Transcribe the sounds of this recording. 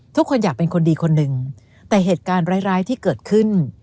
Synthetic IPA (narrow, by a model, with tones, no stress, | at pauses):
t̪ʰu˥kʰːo˧njaː˨˩k̚pe˧nkʰo˧ndiː˧kʰo˧nːɯ˨˩ŋ | t̪ɛː˨˩ɦeː˨˩t̪̚kaː˧nɾaː˦˥jɾaː˦˥jt̪ʰiː˥˩kɤː˨˩t̪̚kʰɯ˥˩n